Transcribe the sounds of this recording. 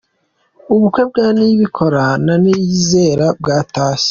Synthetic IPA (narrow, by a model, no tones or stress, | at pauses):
uβukwe̞b̚ɡaːniβikʰo̞ɾananijize̞ːɾabɡaːtaːse̥